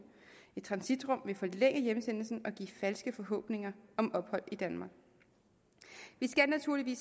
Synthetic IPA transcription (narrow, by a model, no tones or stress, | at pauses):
e̝d̥̚t͡sʰʁɑ̈nsid̥ʁɔ̽m̰ʋe̝fɒ̽leŋ̰əjeməsen̰l̩sn̩ɒ̽ɡ̥ḭːfælsɡ̥əfɒ̽ɦɔ̰̽ːb̥ne̝ŋɐɒ̽mɒ̽b̥hɒ̽l̰id̥ænmɑ̈ːɡ̥ | ʋisɡ̥ænæt͡sʰuɐ̰liʋḭːs